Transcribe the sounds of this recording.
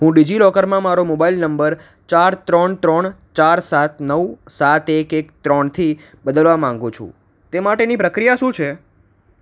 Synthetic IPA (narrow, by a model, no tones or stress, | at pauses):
ɦũɖid͡ʒilɔkəɾmãmaɾomobailnəmbəɾ | t͡ʃaɾt̪ɾəɳt̪ɾəɳt͡ʃaɾsat̪nəwsat̪ekekt̪ɾɔɳt̪ʰi | bəd̪əlʋamãŋɡũt͡ʃʰṵ̃ | t̪emaʈenipɾəkɾijaʃũt͡ʃʰe